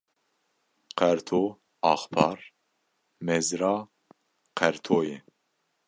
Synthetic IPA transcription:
qʰɛɾt̪ʰoː | ɑːxpʰɑːɾ | mɛzɾɑː | qʰɛɾt̪ʰoːjɛ

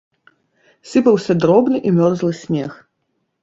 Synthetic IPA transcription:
sɨpɐwsʲɐd̪ɾɔbnɨʔimʲɔrzlˠɨsʲmʲɛx

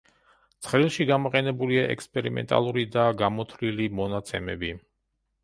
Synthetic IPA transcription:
t̪sʰχlilˠʃiɡamɔqʼɛnɛbuliaʔɛ̰kspʼɛɾimɛ̰nt̪ʼa̰lˠuɾid̪aɡamɔt̪ʰvlilimɔnat̪sʰɛmɛ̰bi

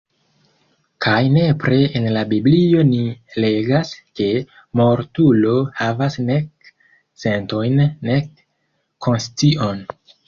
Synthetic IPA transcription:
kʰajne̞pɾeenlabiblio̞nile̞ɡaske̞ | mo̞ɾtulo̞havasne̞k | se̞nto̞jnːekːʰ | o̞nstiʔo̞n

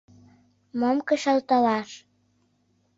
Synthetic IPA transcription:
momkəʃɑlt̪ɑlɑʃ

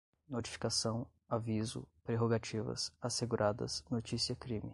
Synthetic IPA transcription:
not͡ʃi̥fi̥kasɐ̃w̃ | avizʊ̰pɾeɦoɡat͡ʃivɐ̰saseɡuɾʔad̪ɐ̰snot͡ʃisiɐkɾĩmi

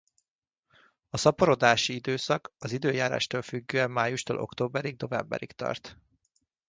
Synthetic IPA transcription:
ɒsɒpoɾo̞d̪aːʃiid̪øːsɒkɒzid̪øːjaːɾa̰ːʃt̪oːlfyɡːøːɛmːaːjuʃt̪o̰ːlʔo̞̰kt̪oːbɛɾiɡ̚no̞vɛ̰mbɛ̰ɾikt̪ɒ̰rt̪

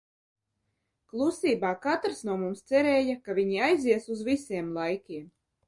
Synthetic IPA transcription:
klˠusiːbaːkat̪ɾsnuɔmumst̪sɛɾɛːjakavʲiɲiajziɛsuzvisʲiɛmlˠajkʲiɛm

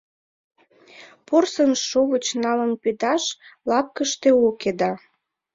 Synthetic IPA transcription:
porsənʃoβət͡ɕnɑlənped̪ɑʃlɑp̚kəʃt̪eoked̪ɑ

